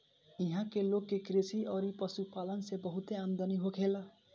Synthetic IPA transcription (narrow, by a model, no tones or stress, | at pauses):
iɦãkelokːekɾesiʌɾipʌsupalʌnsebʌɦut̪eamd̪ʌniɦokʰelʌ